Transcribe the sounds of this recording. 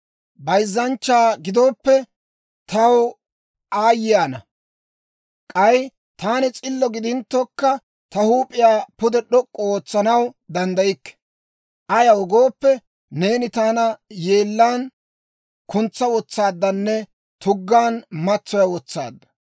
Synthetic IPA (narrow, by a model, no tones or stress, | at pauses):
bɐjzːɐnt͡ʃːaːɡɪd̪oːpːɛ | t̪ʰɐw | aːjɪjaːnɐ | kʼɐj | t̪aːnɛt͡sʼɪlːɔɡɪd̪ɪnt̪ːɔkːɐ | t̪ɐhuːpʼɪjaːpʊd̪ɛɗɔkʼːɔoːt͡sːɐnɐwd̪ɐnd̪ɐjɪkːɛ̥ | ʔɐjɐwɔɡo̞ːpːɛ | ne̞ːnɪt̪aːnɐje̞ːlːaːn | kʊnt͡sːɐwɔt͡sːaːd̪ːɐnːɛ | t̪ʊɡːaːnmɐt͡sːɔjɐwɔt͡sːa̰ːd̪ːɐ̥